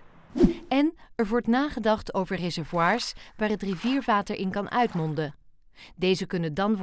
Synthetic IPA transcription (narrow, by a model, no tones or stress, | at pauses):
ɛnɛɹʋɔɹtnaːχədɑχtowvəɹrɛzɛɹvwaːɹsʋaːɹɦətriviːɹvaːtəɹʔɪnkɑnʔœɥtmɔndə | dejzəkɵnəndɑnʋ